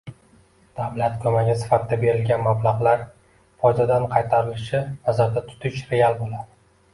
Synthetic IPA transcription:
d̪̥awlat̪kʰɵmaɡʲɪsɪ̥fat̪ʰɪd̪abe̞ɾɪlɡʲanmablˠɑʁlaɾ | fɒjd̪ad̪anqʰɑjt̪ʰaɾɪlɪʃɪnazaɾd̪at̪ʰʊ̥t̪ʰɪʃɾe̞alˠbolad̪ɪ

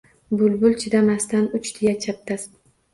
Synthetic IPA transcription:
bʊlˠbʊlt͡ʃʰɪd̪amast̪anʊt͡ʃt̪ʰɪjat͡ʃʰap̚t̪ʰas

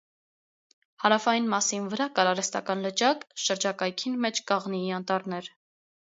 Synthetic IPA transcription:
hɑɾɑfɑjinmɑsinvəɾɑkɑɾɑɾɛst̪ɑ̰kɑnlət͡ʃɑkʃəɾd͡ʒɑkɑjkʰinmɛt͡ʃʰkɑʁniːɑnt̪ɑɾnɛɾ

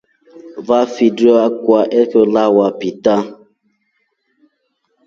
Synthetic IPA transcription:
vafidɔakwaʔekolawapita

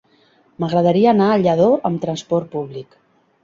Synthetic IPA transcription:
məɣɾəðəɾiəːnaəʎəðoʔəmt̪ɾənspɔrt̪̚puβlik

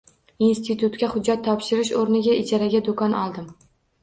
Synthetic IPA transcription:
inst̪ʰit̪ʰʊt̪kʲahʊd͡ʒːat̪ʰːɒpʃɪɾɪʃ̬oɾnɪɡʲaɪt͡ʃʰaɾaɡʲad̪okʰɒnʔɒlˠd̪ɪm

